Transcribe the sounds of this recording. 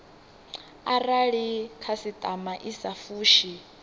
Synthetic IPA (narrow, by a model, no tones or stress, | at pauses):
araɺikʰasitʼamaʔisafuːʃi